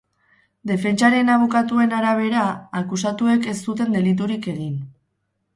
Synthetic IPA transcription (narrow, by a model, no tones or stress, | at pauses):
d̪e̞fe̞nt͡ʃaɾe̞naβ̞okat̪ue̞naɾaβ̞e̞ɾaːkusat̪ue̞ke̞st̪ut̪e̞nd̪e̞lit̪̬uɾike̞ɣ̞in